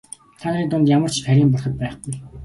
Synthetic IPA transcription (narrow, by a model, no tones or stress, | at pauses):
t̪ʰaniːt̪ʊnt̪jamə̆r̥t͡ɕʰæɾʲiːmpɔrχə̆t̪̚pæːχɡuj